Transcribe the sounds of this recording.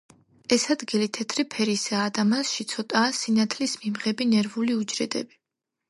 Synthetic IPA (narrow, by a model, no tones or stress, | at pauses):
ɛsad̪ɡilit̪ʰɛt̪ʰɾipʰɛɾisaːd̪amasʃit̪sʰɔt̪ʼaːsinat̪ʰlismimʁɛbinɛɾvuliud͡ʒɾɛd̪ɛ̰bi